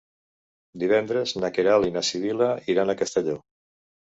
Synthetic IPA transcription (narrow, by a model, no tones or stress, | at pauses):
d̪iβ̞ɛnd̪ɾeznakeɾalinasiβilaiɾanakast̪eʎo